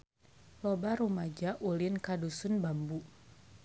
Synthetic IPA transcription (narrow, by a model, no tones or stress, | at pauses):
lɔbaɾumad͡ʒaʔulɪnkadusunbambu